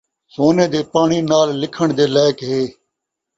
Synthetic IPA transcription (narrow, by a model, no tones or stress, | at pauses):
soːnẽːd̪eːpaːɳiːnaːlːɪkʰəɳd̪eːlaːɪkɦeː